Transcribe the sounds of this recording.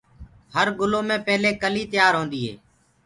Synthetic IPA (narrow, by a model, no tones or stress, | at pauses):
həɾɡʊloːmẽːpeːleːkəliːt̪ɪjaːɾɦõːnd̪iːɦḛː